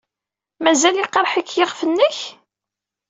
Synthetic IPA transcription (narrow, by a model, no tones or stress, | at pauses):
mæzæliqɑɾˤħikːjəʁfənːəç